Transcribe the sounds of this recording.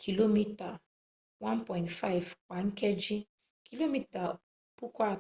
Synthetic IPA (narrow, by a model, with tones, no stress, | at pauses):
kʰi˨lo˦mi˦ta˨ | wã˦npɔ˨ɪ̃ntfa˦i˨vk͡pa˨ŋ̩˦kɛ˦d͡ʒi˦ | kʰi˨lo˦mi˦ta˨ | pu˦kʷa˦˨